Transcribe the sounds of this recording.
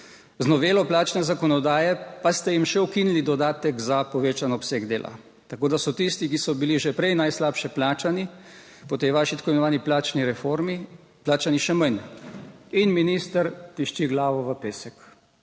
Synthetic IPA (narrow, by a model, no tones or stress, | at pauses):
znɔʋeːlɔplaːt͡ʃnɛzakɔnɔd̪aːjɛpast̪ɛjimʃɛukinlid̪ɔd̪aːt̪ɛkzapɔʋeːt͡ʃanɔːpseːɡd̪eːlʔa̰ | t̪akoːd̪asɔt̪ist̪ikisɔbiliʒɛpɾɛjnajslaːpʃɛplaːt͡ʃani | pɔt̪ejʋaːʃit̪ḁkoimɛnɔʋaːniplaːt͡ʃniɾɛfoɾmi | plaːt͡ʃaniʃɛməjn | inminist̪əɾt̪iʃt͡ʃiɡlaːʋɔʋəpeːsɛk